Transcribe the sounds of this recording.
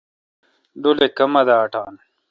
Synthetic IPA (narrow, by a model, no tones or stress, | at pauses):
d̪ulekɐmɐd̪ɐːʈaːn